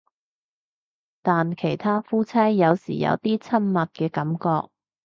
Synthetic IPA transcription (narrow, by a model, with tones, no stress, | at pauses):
t̪aː˨nkʰe˨˩jt̪ʰaː˥fuː˥t͡sʰɐ˥jːɐ˨˧wsḭː˨˩jɐ̰˧wt̪iː˥t͡sʰɐ˥nmɐ˨t̚kɛː˧kɐ˨˥mkɔː˧k̚